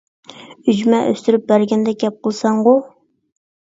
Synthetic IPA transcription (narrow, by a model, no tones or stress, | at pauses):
yd͡ʒmɛʔø̰st̪yɾyp̚bæɾɡʲɛnd̪ɛɡʲɛp̚qəlˠsɑɴʁʊ